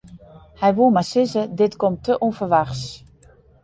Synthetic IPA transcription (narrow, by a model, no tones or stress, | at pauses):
hɛjʋumasɪzədɪtkɔmtʰəʔufərʋaxs